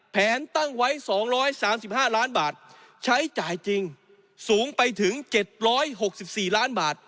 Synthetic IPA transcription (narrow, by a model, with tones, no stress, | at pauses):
pʰɛː˨˩˦nt̪a˥˩ŋwa˦˥jsɔː˩˦ŋɾɔː˦˥jsaː˩˦msi˨˩p̚haː˥˩laː˦˥nbaː˨˩t̪̚ | t͡ɕʰa˦˥jt͡ɕaː˨˩jt͡ɕi˧ŋ | suː˩˦ŋpa˧jt̪ʰɯ˩˦ŋt͡ɕe˨˩t̪̚ɾɔː˦˥jɦo˨˩k̚si˨˩p̚siː˨˩laː˦˥nbaː˨˩t̪̚